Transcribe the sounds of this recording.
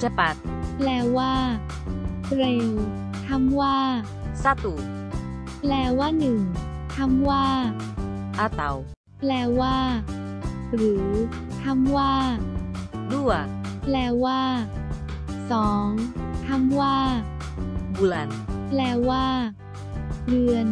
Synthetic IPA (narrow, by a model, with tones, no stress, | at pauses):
t͡ɕa˧pa˨˦t̪̚plɛː˧waː˥˩ | ɾe˧˩w | t̪ʰa˧˥˩mwaː˥˩ | sa˧˥˩t̪uː˨˩t | plɛː˧waː˥˩nɯ˨˩ŋ | t̪ʰa˥˩mwaː˥˩ | ʔa˧˩t̪a˨˦w | plɛː˧waː˥˩ | ɾɯː˩˦ | t̪ʰa˧˥˩mwaː˥˩ | du˥˩əplɛː˧waː˥˩ | sɔː˩˦ŋt̪ʰa˧˥˩mwː | bu˧laː˧nplɛː˧waː˥˩ | ɾɯ˧ən